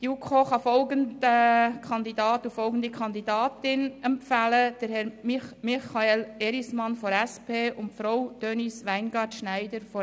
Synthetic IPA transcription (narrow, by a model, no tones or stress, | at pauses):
d̥iukʰoːχɑfɔlɡəndəkʰχɑnd̪idɑːt̪ufɔlɡən̩d̥̪ikχɑnd̪idɑːtɪnɛmpfæləd̥əɾhɛɾmimɪχɑelɛɾismɑnfɔɾɛspʰeːʔʊntfɾaʊwd̥øːnisʋæɪnɡɑːɾtʃnæɪdəɾfɔ